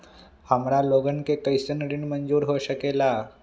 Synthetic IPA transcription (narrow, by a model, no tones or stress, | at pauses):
hamɽaloɡənkekəjsənɾiːɳmənd͡zuːɾɦoɕəkela